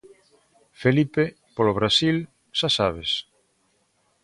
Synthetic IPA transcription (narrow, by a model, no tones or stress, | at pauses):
felipe | poloβ̞ɾasil | ʃasaβ̞es